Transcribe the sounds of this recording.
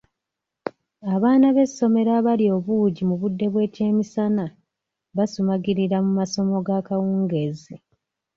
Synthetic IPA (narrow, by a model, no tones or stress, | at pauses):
aβaːnaβe̞sːo̞me̞ɾaβalio̞βuːɟimuβudːe̞βwe̞ːce̞ːmisana | βasumaɡiɾiɾamumaso̞mo̞ɡakawuːŋɡe̞ze